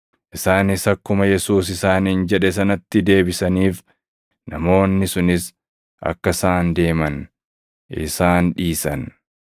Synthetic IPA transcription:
ʔɪsaːnɪsɐkːʊmɐjɛsuːs̬ɪsaːnhɪnd͡ʒɛᶑɛsɐnɐt̪ːɪd̪e̞ːbɪsɐniːf | nɐmo̞ːnːɪsʊnɪs | ʔɐ̰kːɐsaːnd̪e̞ːmɐn | ɪ̰saːnᶑiːsɐn

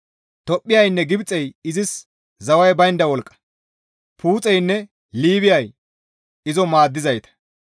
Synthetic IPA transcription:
t̪ɔpʼːɪjɐjnːɛɡɪbt͡sʼɛjɪzɪs | zɐwɐjbɐjnd̪ɐwɔlkʼːɐ̥ | pʰuːt͡sʼɛjnːɛ | liːβɪjɐj | ɪzɔmaːd̪ːɪzɐjt̪ɐ̥

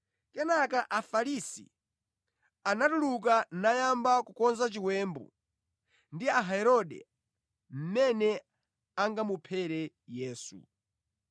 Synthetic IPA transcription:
kɛnakaʔafaɾisḭ | anatuluk̬anajambakukɔnzat͡ʃiwɛːmbṵ | ndiaɦaɛɾɔɗɛ̰ | m̩mɛnɛ | aŋɡamupʰɛɾɛ | jɛːsṵ

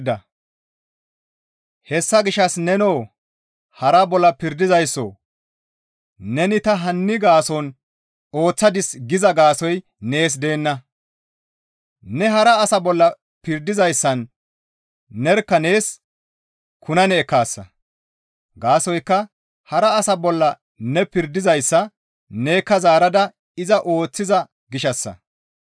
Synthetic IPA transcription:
d̪ɐ | hɛsːɐɡɪʃɐsnɛnoː | hɐɾɐbɔlːɐpɪɾd̪ɪzɐjsːo̰ː | nɛnɪt̪ɐɦɐnːɪɡaːsɔn | o̞ːt͡sːɐd̪ɪsɡɪzɐɡaːsɔj | ne̞ːs̬d̪e̞ːnːɐ | nɛɦɐɾɐːsɐbɔlːɐ | pɪɾd̪ɪzɐjsːɐn | ɛɾkːɐne̞ːs | kʰʊnɐnɛːkːaːsːɐ̰ | ɡaːsɔjkːɐ | hɐɾɐːsɐbɔlːɐ | nɛpɪɾd̪ɪzɐjsːɐ | neːkːɐzaːɾɐd̪ɐ | ɪzɐʔo̞ːt͡sːɪzɐ | ɡɪʃɐsːɐ̰

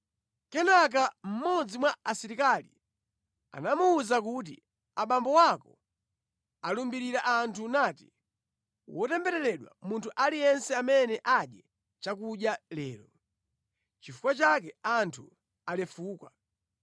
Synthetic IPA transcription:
kɛnak̬am̩mɔd͡zimwaasiɾikalḭ | a̰namuːzak̬ut̬ḭ | aɓambɔwakɔ | alumbiɾiɾaʔantʰunaːti̥ | wɔtɛmbɛɾɛɾɛɗwa̰muntʰuʔalijɛnsɛamɛnɛʔaɗjɛ | t͡ʃak̬uɗjalɛːlɔ | t͡ʃifu̥kwat͡ʃak̬ɛantʰu | alɛfuːkwa

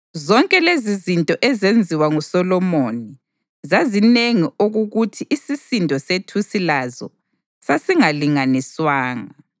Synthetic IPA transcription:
zɔŋkʼɛlezizintʼɔʔɛzend͡zʱiwaŋusɔlɔmoni | zazineŋiʔoɣuɣutʰiʔːsisindʱɔsetʰusilazɔ̰ | sasiŋaliŋaniswaːŋa

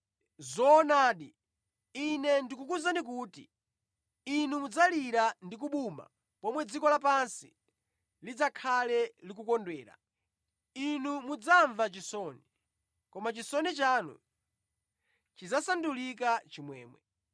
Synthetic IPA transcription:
zɔːnaːɗi | inɛndikukuzandik̬uːtḭ | inumud͡zaliɾandik̬uɓuma̰ | pɔmwɛd͡zikɔlap̬ansi | lid͡zakʰalɛlikukɔndwɛːɾa̰ | inumud͡zaɱvat͡ʃisɔni | kɔmat͡ʃisɔnit͡ʃaːnṵ | t͡ʃizasandulikat͡ʃimwɛ̰ːmwɛ̰

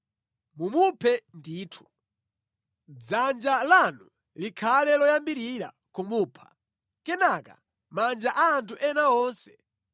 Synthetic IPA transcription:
mumupʰɛndiːtʰu̥ | d͡zand͡ʒalanu | likʰalɛlɔjambiɾiɾa̰ | kumuːpʰḁ | kɛnaːka̰ | mand͡ʒaʔaːntʰuʔɛnaɔːnsɛ̥

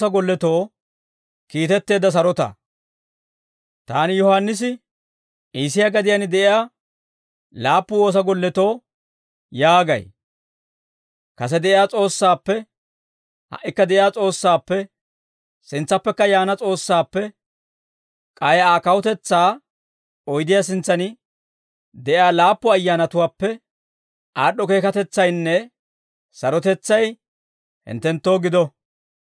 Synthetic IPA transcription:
ɐɡɔlːɛt̪o̞ː | kiːt̪ɛt̪ːe̞ːd̪ːɐs̬ɐɾɔt̪ɐ̰ | t̪aːnɪjɔhanːɪs̬ɪ | ʔiːs̬ɪjaɡɐd̪ɪjanɪd̪ɛʔɪjaː | laːpːʊwo̞ːs̬ɐɡɔlːɛt̪o̞ː | jaːɡɐ̰j | kɐs̬ɛd̪ɛʔɪjaːt͡sʼo̞ːsːaːpːɛ | hɐ̰ʔːɪkːɐd̪ɛʔɪjaːt͡sʼo̞ːsːaːpːɛ | sɪnt͡sːɐpːɛkːɐjaːnɐt͡sʼo̞ːsːaːpːɛ | kʼɐjaːkɐwɔt̪ɛt͡sːaː | ɔjd̪ɪjaːsɪnt͡sːɐnɪ | d̪ɛʔjaːlaːpːɔɐjːaːnɐt̪ʊwaːpːɛ | aːɗːɔke̞ːkɐt̪ɛt͡sːɐjnːɛ | sɐɾɔt̪ɛt͡sːɐj | hɪ̰nt̪ːɛnt̪ːo̞ːɡɪd̪ɔ

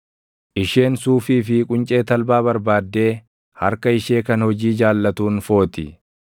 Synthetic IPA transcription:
ʔɪʃe̞ːnsuːfiːfɪkʼʊnt͡ʃʼe̞ːt̪ɐlbaːβɐɾbaːd̪ːe̞ː | hɐ̰ɾkɐɪʃe̞ːkɐnhɔd͡ʒiːd͡ʒaːlːɐt̪uːnfo̞ːt̪ɪ

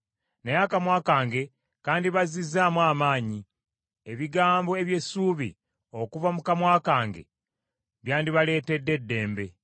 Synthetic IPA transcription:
nejakamwaːkaːŋɡe̞ | kaːndiβazizaːmwaːmaːɲi | e̞βiɡaːmbo̞e̞βje̞suːβḭ | o̞kuvamukamwaːkaːŋɡe̞̰ | βjaːndiβale̞ːte̞dːe̞dːe̞ːmbe̞

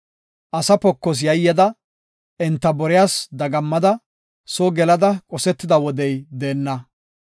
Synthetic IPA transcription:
ʔɐsɐpɔkːɔs̬jɐjːɐd̪ɐ | ɛnt̪ːɐbɔɾɪjaːsd̪ɐɡɐmːɐd̪ɐ | soɡɛlɐd̪ɐkʼɔsɛt̪ːɪd̪ɐwɔd̪ɛjd̪e̞ːnːɐ

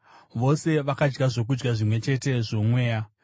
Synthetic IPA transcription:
ʋo̞se̞ʋakad͡ʒɡaʐo̞k̬ud͡ʒɡaʐimwe̞t͡ʃe̞te̞ʐo̞mwe̞ːja

